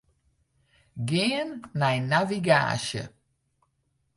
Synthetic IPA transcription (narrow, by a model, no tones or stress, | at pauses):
ɡeːənːajnaviɡa̰ːɕə̰